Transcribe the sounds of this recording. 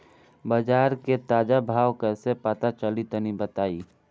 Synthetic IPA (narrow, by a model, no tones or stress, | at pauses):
bəd͡ʒaːɾket̪aːd͡ʒabʱaːwkɛːsepət̪at͡ʃəlit̪ənibət̪aːiː